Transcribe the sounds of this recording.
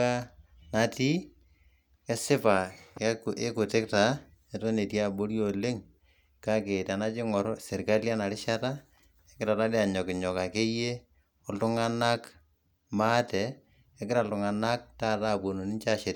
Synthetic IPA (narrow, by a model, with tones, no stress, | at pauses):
a˦ | na˨ti˦ | kɛ˦sɪ˦pa˨kʔe˦kʊ˨tɪ˦k̚ta˨˦ | ɛ˨to˦ne˨tja˦bo˦ɾjo˨le˦ŋ | ka˦ke˨ta˨na˦t͡ʃɪ˦ŋɔ˨ɾse˨ɾka˦lja˦na˨ɾɪ˦ʃa˦ta˦ | ɛ˦kɪ˦ɾa˨ta˦de˦a˨ɲɔ˨kɪ˨ɲɔ˨ka˨ke˦je˦ | ɔ˨ltʊ˦ŋa˦na˦k | ma˦tɛː˨˦ | kɪ˦ɾa˨ltʊ˨ŋa˨na˦k̚ta˦˨ta˦˨bo˨no˨nɪ˦nt͡ʃa˦˨ʃe˨t